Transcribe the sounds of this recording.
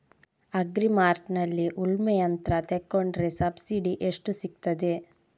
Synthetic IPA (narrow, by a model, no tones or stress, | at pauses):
ɐɡɾimaːɾʈnɐlːiʔulmɛjɐnt̪ɾɐt̪ekːoɳɖɾesɐbsiɖiʔeʂʈusik̚t̪ɐd̪e